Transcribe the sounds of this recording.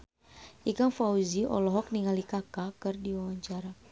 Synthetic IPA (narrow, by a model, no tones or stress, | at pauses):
ʔikaŋfauziʔɔ̰lɔɦɔk̚niŋalikakakɨrdiwawaɲt͡ʃaɾa